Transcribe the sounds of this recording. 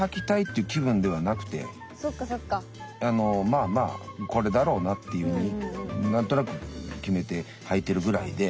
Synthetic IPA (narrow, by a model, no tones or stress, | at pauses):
hakʲi̥t̪ait̪ːeiɯ̟kʲiβɯ̟̃nd̪e̞β̞anakɯ̟̥t̪e̞̰ | sokːasokːa | ano̞maːma̰ːko̞ɾe̞d̪aɾo̞ːnat̪ːe̞jɯ̟ɯɲ̟inãnt̪o̞nakɯ̟kʲime̞t̪e̞ | hait̪ːe̞ɾɯ̟ɡɯ̟ɾaid̪e̞